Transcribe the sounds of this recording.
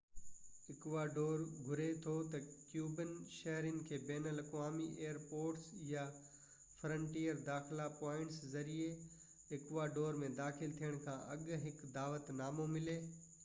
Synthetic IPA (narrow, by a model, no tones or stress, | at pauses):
ɪkʋaːɖoːɾɡʱʊɾet̪ʰot̪ɐkjuːbənʃɐɦɾənɪ̆kʰeːbɛːnəlɐkʋaːmiʔeːəɾpoːɾʈsja | fɾə̃ɳʈiːəɾd̪aːxlapɔːɪ̃ɳʈszɐɾie | ɦɪkʋaːɖoːɾmẽd̪aːxɪlt̪ʰijəɽ̃kʰãʔɐɠɦɪkd̪aːʋət̪naːmomɪleː